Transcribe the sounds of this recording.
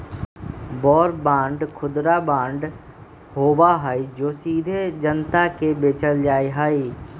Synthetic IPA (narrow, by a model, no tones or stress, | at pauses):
bɔːɾbãːɳɖkʰʊd̪ɾabãːɳɖ | ɦoːbaɦaːid͡ʒoːsiːd̪ʱed͡ʒənt̪akebeːt͡ʃəld͡ʒaːeɦaːi